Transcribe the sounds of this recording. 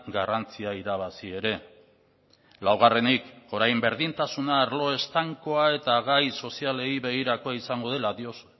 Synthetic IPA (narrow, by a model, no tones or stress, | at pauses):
ɡarant͡siaiɾaβ̞asie̞ɾe̞ | lawɣ̞are̞niko̞ɾajmbe̞ɾðint̪asunaːɾlo̞e̞st̪aŋko̞ae̞t̪aɣajso̞siale̞iβe̞ɣiɾako̞aisaŋɡo̞ð̞e̞laðios